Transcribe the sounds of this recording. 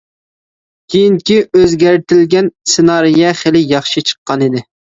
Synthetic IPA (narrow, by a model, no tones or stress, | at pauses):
kʲʰejiŋkʲiøzɡʲæɾt̪ʰɪlɡʲɛnsenɑɾijɛχɪlɪjɑχʃɨt͡ʃʰə̥qːɑnɪd̪ɪ